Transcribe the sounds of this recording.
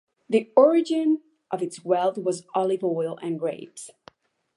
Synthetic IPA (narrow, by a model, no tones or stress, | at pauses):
ðiɔɹɪd͡ʒɨ̃n | ʔʌvɨtswɛlˠθwʌzɑlˠɨvɔɪlˠɨ̰̃nɡɹeɪvs